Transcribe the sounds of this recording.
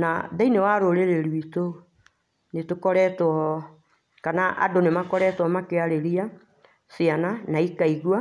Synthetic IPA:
naðainewaɾoɾeɾeɾwito | netokɔɾɛtɔ | kanaʔa̰donemakɔɾɛtwɔmakeaɾeɾia | siananaikaiɣwa

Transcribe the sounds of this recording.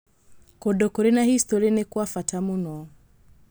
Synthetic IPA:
kɔdɔkɔɾinahistɔɾinɛkwafatʰamunɔ

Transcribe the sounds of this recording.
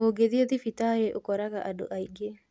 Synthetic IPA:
oɡeðieðifitajeʔokɔɾaɣaʔado̰ʔaiɡe

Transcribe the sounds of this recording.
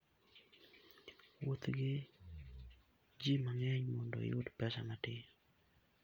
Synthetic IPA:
wot̪ɡɪ | d͡ʒimaŋɛɲmɔndɔ̰ɪ̰ʊd̪pɛsamatɪ

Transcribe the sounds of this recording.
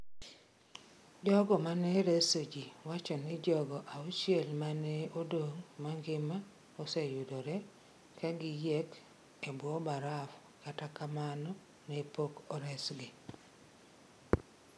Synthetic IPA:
d͡ʒɔɡɔmanɛɾesod͡ʒiwat͡ʃɔnɪd͡ʒɔɡɔʔauʃjɛlmanɛodoŋmaŋɡɪma | osɛjʊdɔɾɛ | kaɡɪjɛk | ebwɔbaɾaf | katakamanɔ | nɛpokɔɾɛsɡɪ

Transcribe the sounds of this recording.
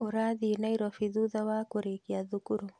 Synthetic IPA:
oɾaðinaiɾɔfiðuðawakoɾekiaðukuɾu

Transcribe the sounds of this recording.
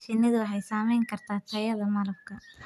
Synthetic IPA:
t͡ʃɪnːɐðʊɐħɛjsaːmɛjŋkʰɐrt̪ʰaːt̪ʰɐjɐðɐmɐlɐb̚kʰɐ

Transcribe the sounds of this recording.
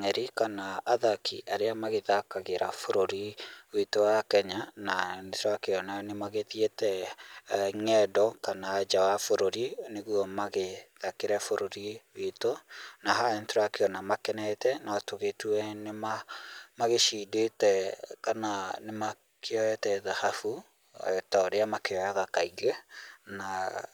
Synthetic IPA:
ŋɛɾikanaaðakʰḭʔaɾeamaɣeðakaɣeɾafoɾoɾiwetowakɛɲanantɾoakeɔnanemaɣeðietɛ | ŋɛdɔkanaːd͡ʒawafoɾoɾineɣuɔmaɣeðakeɾɛfoɾoɾiwetonaɦaɛnteɾwakeɔnamakɛnɛtɛnatoɣetuɛnemamaɣeʃidetɛkananema | kʰeɔɛtɛðahafṵ | ɛtaɾeamakeɔjaðakaiɣɛna

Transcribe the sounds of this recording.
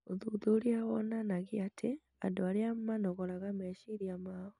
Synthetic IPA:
oðuðoɾiawɔnanaɣiatʰe | a̰ndoaɾeamanɔɣɔɾaɣamɛʃiɾiamaɔ

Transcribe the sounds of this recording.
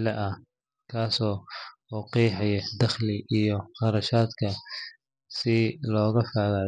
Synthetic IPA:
lɛʔɐ | kʰaːsɔːuːqiːħɛjɛd̪ɐχlɪʔijɔqɑɾɐʃaːd̪kʰɐ | sɪlɔːɣɐfaːða

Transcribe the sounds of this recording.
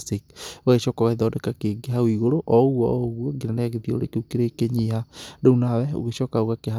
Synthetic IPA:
sik̚oɣeʃɔkɔɣaðɔːdekakeɡeɦawiɣoɾoʔɔoɣwɔɣwɔɡiɾanɛaɣeðio̰ɾḛkeukeɾekeɲihadounawɛo̰ɣeɕɔkaoɣakeɦa

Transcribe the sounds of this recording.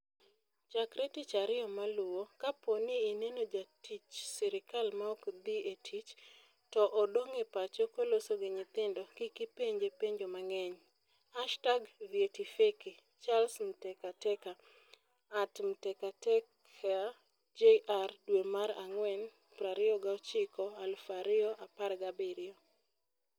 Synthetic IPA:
t͡ʃakɾetit͡ʃaɾɪɔmalʊwokaponɪinenod͡ʒatit͡ʃsɪɾɪkalmaɔkd̪ietʰit͡ʃ | tɔʔɔdoŋepat͡ʃɔkolosoɡɪɲɪt̪ɪndɔkɪkɪpeɲd͡ʒepeɲd͡ʒomaŋɛɲ | aʃtaɡvjetifeki | t͡ʃalsm̩tɛkatɛkaː | tm̩tɛkatɛkʰ | a | d͡ʒeʔardwemaɾa̰ŋwɛn | pɾaɾɪɔɡaɔt͡ʃɪkɔalfaɾɪɔʔaparɡabɪɾɪo

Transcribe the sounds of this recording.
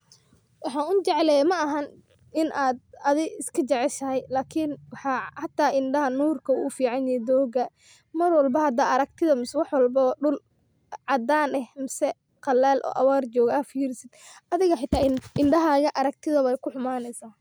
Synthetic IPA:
wɑħɑːʊt͡ʃɛʕlɛmɐʔɐɦɐn | ʔɪnʔaːd̪̚ɐðɪɪskʰɐt͡ʃɛʕɛʃɐɦɛjlaːkʰɪnwɑħɑːhɑt̪ʰːaːʔɪnɖɐɦɐnuːrkʰɐṵʊfiːʕɑnjɛd̪ɔːɡɐ | mɐrwɑlbɐhɐd̪aːɐɾɐk̚t̪ʰɪðɐmɪswɑħwɑlbɔːɖʊl | ʕɑd̪aːnɛhmɪsɛ | qɑlɛːlʔɔ̰ːʔɐ̰waːrt͡ʃɔːɣaːfiɪɾɪsɪd̪ʔɐðɪɣɐħɪt̪ʰaːɪnɖɐɦaːɣɐʔɐɾɐkɡ̚t̪ʰɪðɐɛjkʰʊħʊmaːnɛjsaː

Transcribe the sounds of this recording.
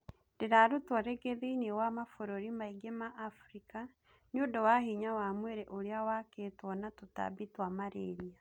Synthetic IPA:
diɾaɾutwoɾeɡeðinewamafoɾoɾimaiɡemaʔːfuɾika | nodowahiɲawamweɾeʔoɾjawakeːtwɔnatuta̰bitwamaɾeɾia

